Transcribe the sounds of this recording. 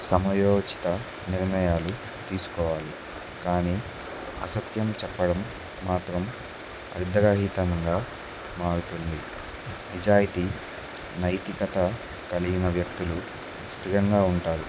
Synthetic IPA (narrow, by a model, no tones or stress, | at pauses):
sɐmɐjɔːd͡ʒit̪ɐ | niɾnɐjaːlu | t̪iːsu̥kɔːʋaːli | kaːni | ɐ̰sɐt̪jɐmt͡ʃɛpːɐɽɐmː | aːt̪ɾɐm | ɐ̰ɾd̪ɐɾɐɦiːt̪ɐnɐŋɡaː | maːɽut̪und̪i | nid͡ʒaːjit̪iː | nɐjt̪ikɐt̪ɐ | kɐliɡinɐʋjɐk̚t̪ulu | st̪iɾɐŋɡaːuɳʈaːɾu